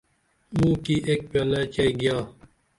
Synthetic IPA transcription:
mũːkiːʔeːk̚pjaːlaːt͡ʃɐiɡɪjaː

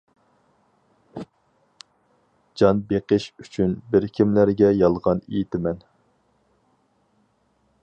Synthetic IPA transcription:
d͡ʒɑnbeqəʃyt͡ʃʰynbɪɾkʲʰimlæɾɡʲɛjɑlˠʁɑnejit̪ʰɪmɛn

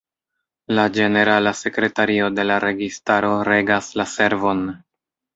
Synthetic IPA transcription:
lad͡ʒe̞ne̞ɾalase̞kɾe̞taɾio̞de̞laɾe̞ɡistaɾo̞ɾe̞ɡaslase̞ɾvo̞n

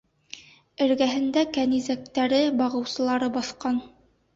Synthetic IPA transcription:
ɘ̆ɾɡæɦɘ̆nd̪ækænizæk̚t̪æɾɘbɑʁɤ̆wsɤ̆lˠɑɾɤbɑθqɑn

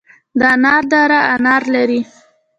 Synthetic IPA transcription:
d̪ɑnɑɾd̪ɑɾaanɑɾlaɾi

